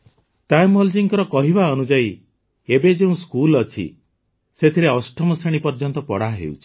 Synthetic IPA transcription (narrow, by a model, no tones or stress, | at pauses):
t̪ajmɔld͡ʒiŋkɔɾɔkɔɦibaɔnud͡ʒai | ebed͡ʒeũskulɔt͡ʃʰḭ | set̪ʰiɾeɔsʈʰɔmɔsɾeɽ̃ipɔɾd͡ʒɔnt̪ɔpɔɽaɦḛṵt͡ʃʰi̥